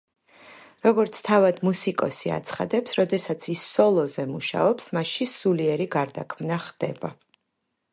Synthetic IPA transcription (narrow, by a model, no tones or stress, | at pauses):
ɾɔɡɔɾt̪sʰt̪ʰavad̪musikʼɔsia̰t̪sʰχad̪ɛpsɾɔd̪ɛsat̪sʰisːɔlˠɔzɛmuʃa̰ɔpsmaʃisuliɛɾiɡaɾd̪a̰kʰmnaχd̪ɛ̰ba